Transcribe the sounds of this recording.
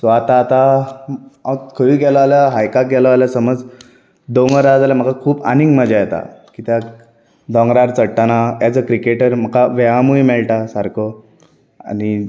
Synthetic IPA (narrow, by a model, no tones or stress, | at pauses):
sɔat̪aːt̪a | akʰəʋiɡɛlaaljaɦajkak̚ɡɛləaljasəməd͡z | d̪ɔŋɡəɾad͡zaljam̤əkakʰuːpa̰niŋɡməd͡ʑajɛt̪a̰kit̪ja | d̪ɔ̃ŋɡɾaɾt͡səɽʈanajat͡səkɾikeʈəɾm̤əkaʋɛɦamujmɛɭʈasaɾkʰɔ | a̰ni